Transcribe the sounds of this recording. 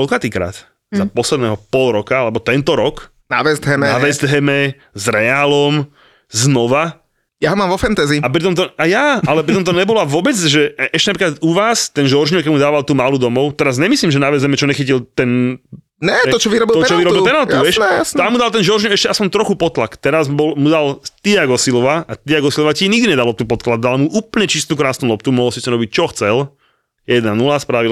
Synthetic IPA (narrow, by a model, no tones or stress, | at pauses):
kɔlkat̪iːkɾa̰ːt̪ | zapɔslɛd̪nɛɦɔpɔlɾɔkaalɛbɔt̪ɛnt̪ɔɾɔk | na̰ʋɛzd̪ɦɛmɛnaʋɛzd̪ɦɛmɛ | zɾɛaːlɔm | znɔʋa | jaɦɔmaːmʋɔfɛnt̪ɛːziap̬ɾit̪ɔmt̪ɔajaːalɛpɾit̪ɔmt̪ɔɲɛbɔlɔaʋʊɔbɛt͡sʒɛʔɛʃcɛnapɾikat̪uʋaːst̪ɛnʒɔɾʒɲɔkɛmud̪aːʋalt̪uːmalud̪ɔmɔʊt̪ɛɾazɲɛmisliːmʒɛnaʋɛzɦɛmɛt͡ʃɔɲɛxicilt̪ɛn | ɲɛɔt͡ʃɔʋiɾɔbilt̪ɔt͡ʃɔʋiɾɔbilt̪ɛnalt̪uʋɛʃɛjasnamːud̪alt̪ɛnʒɔɾʒɲɔɛʃcɛaspɔɲt̪ɾɔxupɔt̪lakt̪ɛɾazbɔlmud̪alt̪iaɡɔsilɔʋaʔat̪iaɡɔsilɔʋaciɲiɡd̪iɲɛd̪alɔp̚t̪upɔt̪klad̪̚d̪almuʔuːpl̩ɲɛt͡ʃist̪ukɾaːsnulɔp̚t̪umɔɦɔlsisɛɾɔbic̚t͡ʃɔxt͡sɛl | jɛd̪nanulaːspɾaʋil